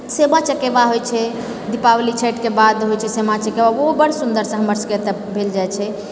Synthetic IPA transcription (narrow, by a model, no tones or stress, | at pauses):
semãt͡ʃəkebaɦojt͡ʃʰɛ | d̪ipawlit͡ʃʰeʈkebad̪ɦojt͡ʃʰɛsemãt͡ʃəkebaobəɽ̤sund̪əɾsə̃ɦəməɾsə̥ket̪ɛ | bʱeld͡ʒajt͡ʃʰɛ